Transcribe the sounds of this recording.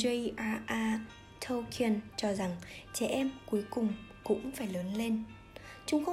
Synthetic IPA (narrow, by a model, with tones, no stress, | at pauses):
ə˧jʔaː˧ʔaː˧ | t̪ʰə˧wkʰi˧˩ənt͡ɕɔ˧za˨˩ŋt͡ɕɛ˧˩ʔɛ˧mku˨˦əjkʊ˨˩ŋ͡mkʊ̰˧˥ŋ͡mfaː˧˩jləː˨˦nle˧n | t͡ɕʊ˨˦ŋ͡mxə˧